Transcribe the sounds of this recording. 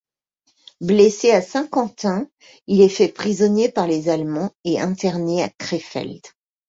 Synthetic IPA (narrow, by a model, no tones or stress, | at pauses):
bleseasɛ̃kɑ̃t̪ɛ̃ | ilɛfɛpχizɔnjepaʁlezalmɑ̃eɛ̃t̪ɛʁneakχefɛ̰ld̪